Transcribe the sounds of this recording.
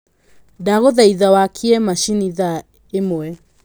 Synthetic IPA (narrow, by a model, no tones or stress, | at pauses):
daɣoðaiðawakʰiɛmaʃiniða | emwɛ